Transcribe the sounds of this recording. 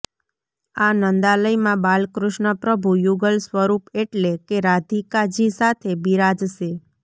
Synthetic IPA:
anənd̪aləjmãbalkɾuʃɳəpɾəbʱujuɡəlsʋəɾupeʈlekeɾad̪ʱikad͡ʒisat̪ʰebiɾad͡ʒʃe

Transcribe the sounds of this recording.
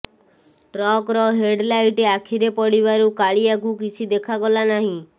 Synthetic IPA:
ʈɾɔkɾɔɦeɖlajʈeakʰiɾepɔɽiβaɾukaɭiakukit͡ʃʰid̪ekʰaɡɔlanaɦĩ

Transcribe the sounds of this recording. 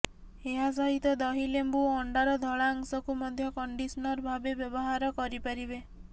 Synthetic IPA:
eɦas̬ɔɦit̪ɔd̪ɔɦilembuɔɳɖaɾɔd̪ʱɔɭaːŋsɔkumɔd̪ʱjɔkɔɳɖisɔnɔɾbʱabebjɔbɔɦaɾɔkɔɾipaɾibe

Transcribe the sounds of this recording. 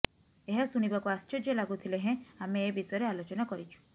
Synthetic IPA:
eɦasuɽ̃ibakuast͡ʃɔd͡ʒɔlaɡut̪ʰileɦẽameːbisɔjɔɾealot͡ʃɔnakɔɾit͡ʃʰu̥

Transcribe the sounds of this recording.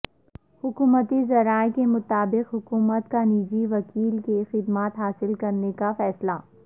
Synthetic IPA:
hʊkuːmət̪izɐɾaːekemʊt̪aːbɪqɦʊkuːmət̪kaniːd͡ʒiʋɐkiːlkexɪd̪maːt̪ɦaːsɪlkɐɾnekafɛːsla

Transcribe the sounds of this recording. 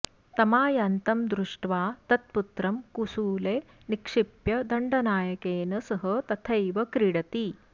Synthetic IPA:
t̪ɐmaːjɐnt̪ɐmd̪ɾuʂʈʋaːt̪ɐt̪̚put̪ɾɐmkusuːleː | nikʂipjɐd̪ɐɳɖɐnaːjɐkeːnɐsɐɦɐt̪ɐt̪ʰɐjʋɐkɾiɽɐt̪i

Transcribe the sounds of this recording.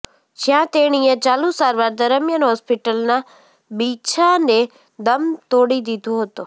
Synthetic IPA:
d͡ʒɪjãt̪eːɽ̃iːə̃t͡ɕaːlũsaːɾʋaːɾd̪əɾəmjanɦɔːspiʈəlnã | biːt͡ʃʰane | d̪ɐmt̪oːɽid̪id̪ʱoɦət̪o

